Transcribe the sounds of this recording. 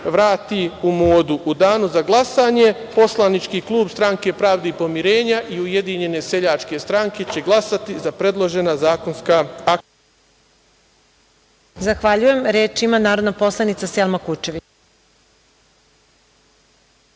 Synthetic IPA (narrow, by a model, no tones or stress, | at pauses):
ʋɾaːt̪iumoːd̪uʔud̪aːnuzaɡlˠasaːɲe | po̞slˠanit͡ʃkiːklˠuːbst̪ɾaŋke̞pɾaːʋd̪eipo̞miɾeːɲaʔiuje̞d̪iɲe̞ne̞seʎaːt͡ʃke̞st̪ɾaŋke̞t͡ɕe̞ɡlˠasat̪izapɾe̞d̪lˠoʒe̞nazaːko̞nskaak | zaxʋaʎuje̞mɾeːt͡ʃimanaːɾod̪napo̞slˠanit̪saselˠmakut͡ʃe̞ʋi